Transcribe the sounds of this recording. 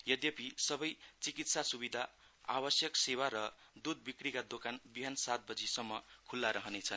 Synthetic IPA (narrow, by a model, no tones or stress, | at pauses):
jʌd̪jʌpisʌbʌjt͡sikit̪sasubid̪ʱa | a̰bʌsjʌksewaɾʌd̪ud̪̚bikrikad̪okanbiɦansat̪̚bʌd͡zisʌmːʌkʰulːaɾʌɦʌnet͡sʰʌn